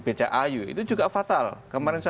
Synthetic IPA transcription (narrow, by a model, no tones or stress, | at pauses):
b̥at͡ʃaʔajuḭt̪ud͡ʒuɡafat̪alkəmaɾɛnsa